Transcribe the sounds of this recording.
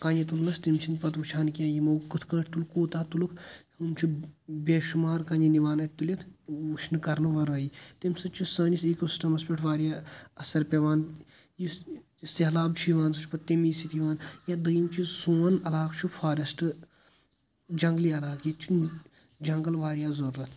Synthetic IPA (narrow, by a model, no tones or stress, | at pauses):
kaːnɐt̪ulnɐst̪imt͡ʃʰinpɐt̪ʋut͡ʃʰaːnkijãːjimɐkːɨt̪ʰkɐ̃ːʈʰt̪ulkuːt̪aːt̪ulukʰhumt͡ʃʰibʲeːʃumaːɾkɐːniniʋaːnɐt̪ulʲɐt̪ʰut͡ʃʰnɨkɐɾnɨʋɐɾɐːjit̪imsɐt͡ʃʰisɐːniseːkusi̥ʈɐmɐspʲeʈʰʋaːɾijaɐsɐɾpʲeʋaːn | ji | ist̪eɦlaːbt͡ʃʰiʋaːnsɐt͡ʃʰpɐt̪ːemiːsit̪iʋaːnjad̪ɐjimt͡ʃʰisuːnɐlaːkt͡ʃʰupʰaːɾɐsʈɨ | d͡ʒɐŋɡliɐlaːkit͡ʃʰi | d͡ʒɐŋɡɐlʋaːɾijaːzɐɾːɐt̪ʰ